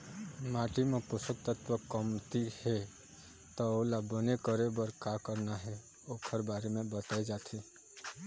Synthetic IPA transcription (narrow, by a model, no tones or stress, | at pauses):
maʈimepʊsək̚t̪ət̪ʋəkəmt̪ihe | t̪ɔolabənekəɾebəɾkakəɾnaɦɛ | okʰəɾbaɾemẽbət̪aed͡ʒat̪ʰi